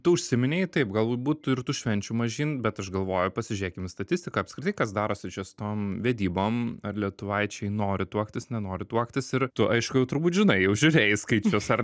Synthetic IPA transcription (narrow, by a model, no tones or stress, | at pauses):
t̪ʊʊʃʲsʲɪmʲɪnʲeːɪt̪ɐɪpɡɐlˠubuːt̪ɪrt̪ʊʃʲʋʲɛnʲt͡ʃʲʊmɐʒʲiːnbʲɛt̪ɐʃɡɐlˠʋoːjʊpɐsʲɪʒʲʉɾʲeːkʲɪmst̪ɐt̪ʲɪsʲt̪ʲɪkɐːɐpskɾʲɪt̪ɐɪkɐsd̪ɑːɾoːsʲɪt͡ʃʲɛsʊ̥t̪oːmʋʲɛd̪ʲiːboːmɐrlʲiɛt̪ʊʋɐɪt͡ʃʲɛɪnoːɾʲɪt̪uɔkt̪ʲɪsnʲɛnoːɾʲɪt̪uɔkt̪ʲɪsɪɾt̪ʊʔɐɪʃkʊjɛʊt̪ʊɾbuːt̪ʒʲɪnɐɪjɛʊʒʲʊɾʲeːjɪskɐɪt͡ʃʲoːsɐr